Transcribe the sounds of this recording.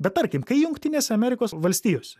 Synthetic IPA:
bʲɛt̪̚t̪ɐɾʲkʲɪmkɐɪjʊŋkʲt̪ʲɪnʲeːsʲɛɐmʲɛɾʲɪkoːsʋɐlʲsʲt̪ʲiːjoːsʲɛ̥

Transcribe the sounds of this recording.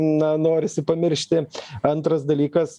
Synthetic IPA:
nɐnoːɾʲɪsʲɪpɐmʲɪɾʲʃʲt̪ʲɪɐnt̪ɾɐsd̪ɐlʲiːkɐs

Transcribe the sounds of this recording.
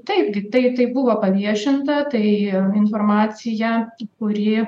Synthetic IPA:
t̪ɐɪpɡʲɪt̪ɐɪt̪ɐɪbʊʋoːpɐʋʲiɛʃʲɪnt̪ɐt̪ɐɪɪnformɑːt̪sʲɪjɛkʊɾʲɪ

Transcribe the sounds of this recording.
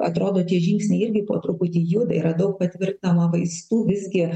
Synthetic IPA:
ɐt̪ɾoːd̪oːt̪ʲiɛʒʲɪŋʲksʲnʲɛɪɪɾʲɡʲɪpoːt̪ɾʊpʊt̪ʲiːjuːd̪ɐɪiɾɐd̪ɐʊk̚pɐt̪ʲʋʲɪrtnɐmɐʋɐɪst̪uːʋʲɪzʲɡʲɪ

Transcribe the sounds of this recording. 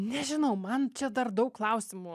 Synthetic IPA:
nʲɛʒʲɪnɐʊmɐnt͡ʃʲɛd̪ɐrd̪ɐʊkkːlˠɐʊsʲɪmu

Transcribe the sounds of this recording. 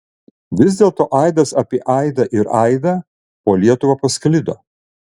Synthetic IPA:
ʋʲɪzʲd̪ʲeːlˠt̪oːʔɐɪd̪ɐsɐpʲiɛʔɐɪd̪ɐʔɪɾɐɪd̪ɐː | poːlʲiɛt̪ʊʋɐpɐsklʲɪd̪o̰ː

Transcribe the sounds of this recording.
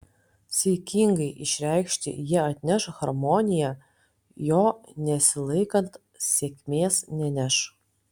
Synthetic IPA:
sʲekʲʰiŋɡɐɪʔɪʃʲɾʲɛɪkʃʲt̪ʲɪ̰jiɛɐt̪ʲnʲæʃxɐɾmoːnʲɪjæ | joːnʲɛsʲɪlˠɐɪkɐnt̪ | sʲeːkʲmʲeːsnʲɛnʲæʃ

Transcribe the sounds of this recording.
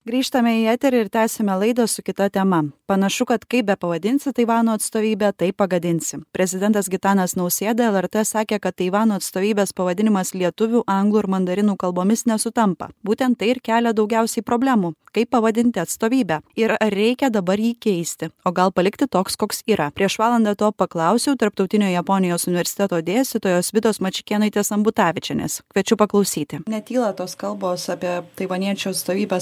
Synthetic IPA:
ɡɾʲiːʃt̪ɐmʲɛiæːt̪ʲɛɾɐɪɾt̪ʲæːsʲɛmʲɛlˠɐɪd̪ɐsʊkʲɪt̪ɐt̪ʲɛmɐpɐnɐʃʊkɐt̪kɐɪp̚bʲɛpɐʋɐd̪ʲɪnʲsʲɪt̪ɐɪʋɑːnuːɐt̪st̪oːʋʲiːbʲæːt̪ɐɪpːɐɡɐd̪ʲɪnʲt̪sʲɪpʲɾʲɛzʲɪd̪ʲɛnt̪ɐsɡʲɪt̪ɑːnɐsnɒʊsʲeːd̪ɐɛlˠɛɾt̪ɛsɑːkʲeːkɐt̪t̪ːɐɪʋɑːnuːɐt̪st̪oːʋʲiːbʲeːspɐʋɐd̪ʲɪnʲɪmɐslʲiɛt̪ʊʋʲuːʔɐŋɡlˠuːɪɾmɐnd̪ɐɾʲɪnuːkɐlˠboːmʲɪsnʲɛsʊt̪ɐmpɐ̰buːt̪ʲɛnt̪t̪ːɐɪɪɾkʲæːlʲɛd̪ɒʊɡʲæʊsʲɛɪpɾoːbʲlʲæːmuːkɐɪpːɐʋɐd̪ʲɪnʲt̪ʲɪɐt̪st̪oːʋʲiːbʲæːɪɾɐɾːʲɛɪkʲɛd̪ɐbɐɾjiːkʲɛɪsʲt̪ʲɪoːɡɐlˠpɐlʲɪkt̪ʲɪt̪oːkskoːksiːɾɐpʲɾʲiɛʃʋɑːlˠɐnd̪ɑt̪oːpɐklˠɐʊsʲɛʊt̪ɐɾp̚t̪ɒʊt̪ʲɪnʲoːjɛpoːnʲɪjoːsʊnʲɪʋʲɛɾʲsʲɪ̥t̪ʲɛt̪oːd̪ʲeːst̪ʲɪt̪oːjoːsʋʲɪt̪oːsmɐt͡ʃʲɪkʲeːnɐɪt̪ʲeːsɐmbʊt̪ɑːʋʲɪt͡ʃʲɛnʲɛ̰skʲʋʲɛt͡ʃʲʊpɐklˠɐʊsʲiːt̪ʲɪnʲɛt̪ʲiːlˠɐt̪oːskɐlˠboːsɑpʲiɛt̪ɐɪʋɐnʲiɛt͡ʃʲoːɐt̪st̪oːʋʲiːbʲɛ

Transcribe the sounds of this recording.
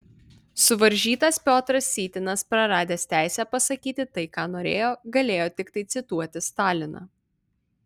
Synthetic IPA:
sʊʋɐɾʲʒʲiːt̪ɐspʲoːt̪ɾɐsːʲiːt̪ʲɪnɐspɾɐɾɑːd̪ʲeːst̪ʲæˑɪsʲɛpɐsɐkʲiːt̪ʲɪt̪ɐɪkɑːnoːɾʲḛːjoːɡɐlʲeːjoːt̪ʲɪkt̪ɐɪt̪sʲɪt̪uɔt̪ʲɪst̪ɑːlʲɪnɑ̰ː

